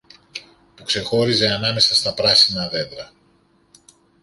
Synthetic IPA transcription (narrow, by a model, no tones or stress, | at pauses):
pukse̞xo̞ɾize̞ɐnɐme̞sɐst̪ɐpɾɐsinɐðe̞d̪ɾɐ